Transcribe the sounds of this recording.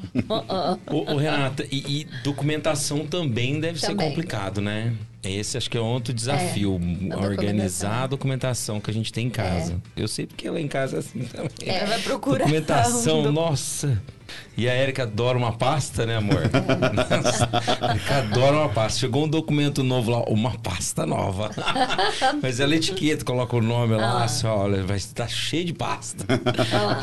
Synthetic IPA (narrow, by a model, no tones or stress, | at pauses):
ʊʔːɦenat̪ɐʔɪʔɪd̪okumẽnt̪asɐ̃w̃t̪ɐ̃mbẽj̃d̪ɛvɪseɾkõmplikad̪ʊnɛ | ɛesɪaʃʊ̥kɪɛũõt̪ɾʊd͡ʒɪzafiʊɐoɾɡɐ̃nizaɐd̪okumẽnt̪asɐ̃w̃kɪɐʒẽnt͡ʃɪ̥t̪ẽj̃ẽkazɐ̰ḛwsejpʊ̥ɾkeɛlaẽkazɐasĩt̪ɐ̃mẽvapɾokuɾkumẽnt̪assɐ̃w̃nɔsɐ | ɪɐɛɾikɐad̪ɔɾɐũmɐpast̪ɐnɛamo̰ɾnɔssɛɾikad̪ɔɾɐũmɐpast̪ɐʃeɡoũd̪okumẽnt̪ʊnovʊlaʔũmɐpa̰st̪ɐnɔ̰vɐ | mɐzɛlɐet͡ʃi̥ket̪ɐkolɔkɐʊnõmɪlasɔʎɐvajt̪aʃejʊd͡ʒɪpa̰st̪ɐ